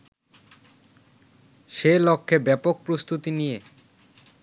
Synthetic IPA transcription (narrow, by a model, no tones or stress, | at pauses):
ʃelokʰːebɛpok̚pɾost̪ut̪inije